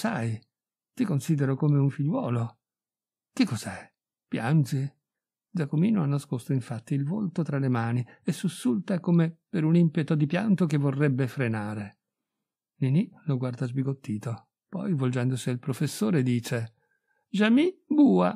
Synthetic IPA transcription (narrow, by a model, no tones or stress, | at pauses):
saj | t̪ikonsiːd̪eɾokomeuɱfiʎːwɔːlo | k̟ekːɔzɛ | pja̰nzi | dd͡ʒakomiːnoanːaskost̪oiɱfat̪ːiːlvolt̪ot̪ɾalemaːniesːusːult̪aɛkomepeɾunimpet̪od̪ipja̰nt̪okevorːɛbːefɾenaːɾe | niniloɡward̪azbiɡot̪ːiːt̪o | pɔ̰jvold͡ʒɛnd̪osiilpɾofesːoːɾed̪iːt͡ʃe | ʒamibuːa̰